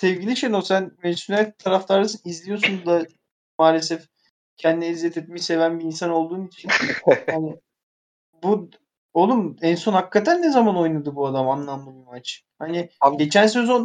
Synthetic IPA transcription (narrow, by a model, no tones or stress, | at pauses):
sɛvɟilʲiʃejnosænmed̪isonalt̪ʰːaɾaflˠaɾasɯnizlʲijo̞sund̪a | maːlʲes̬ɛf | cʰɛnd̪inɛizːɛt̪ʰɛt̪̚mɛʃse̞vænbiiːnsano̞lˠd̪uːnit͡ʃʰinhanɪ | bu | olˠumɛnso̞nhakːat̪ʰænːezamano̞jnad̪ɯbuad̪amanlˠamlˠɯbimat͡ʃ | hanɪɟe̞t͡ʃʰæns̬øzon